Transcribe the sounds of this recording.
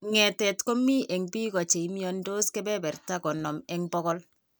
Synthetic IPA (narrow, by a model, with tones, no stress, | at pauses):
ŋɛ˨tɛ˨tko˦mi˦ʔɛ˨ŋbi˦kɔ˨t͡ʃe˨i˦mi˦ɔ˦ndo˦skɛ˦bɛ˦bɛ˨rta˦kɔ˨nɔ˨mɛ˨ŋbɔ˦kɔ˦l